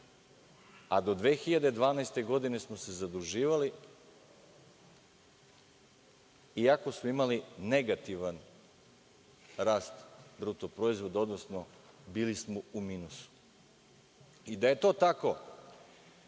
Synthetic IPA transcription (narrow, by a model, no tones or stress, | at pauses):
ad̪o̞d̪ʋeːxiʎad̪e̞d̪ʋaːnaest̪e̞ɡo̞d̪ine̞smo̞se̞zad̪uʒiːʋali | iako̞smoimaline̞ɡat̪iʋan | ɾaːst̪bɾut̪opɾo̞izʋo̞d̪eo̞d̪no̞sno | biːlismoumiːnusu̥ | id̪aje̞t̪o̞ːt̪ako̞